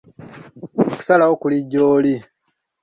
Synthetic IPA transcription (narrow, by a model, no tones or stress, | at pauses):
oku̥salawokuliɟːoːli